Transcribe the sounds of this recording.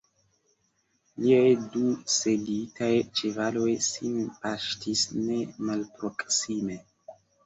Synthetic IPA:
liajduselitajt͡ʃevalo̞jsinpaʃtisne̞malpɾo̞ksime̞

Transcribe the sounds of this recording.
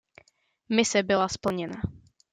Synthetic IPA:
mɪsɛbɪlaspl̩ɲɛna

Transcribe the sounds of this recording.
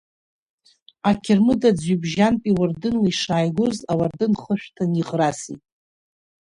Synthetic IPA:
akʲʰɪrmɨdad͡zibʒanpʼiwardɨnliʂaːjɡʷozawardɨnχəʃᶣtʰaniʁrasḭtʼ

